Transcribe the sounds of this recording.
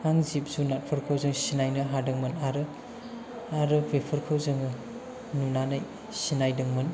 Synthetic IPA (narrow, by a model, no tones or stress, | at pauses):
aŋzip̚zunat̚pʰɐɾkʰawzɯŋsinajnɯɦadɯŋmɐnaɾɯ | aɾɯbepʰɐɾkʰɯwzɯŋɯ | nunanaj | sinajdɐŋmɐn